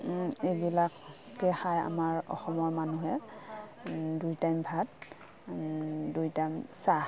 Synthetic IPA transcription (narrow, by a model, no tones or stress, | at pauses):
ebilakː | ɛxaja̰maɹɔ̰xɔmɔɹmanuɦɛ | dujtajmbʱat̚ | dujtajmsa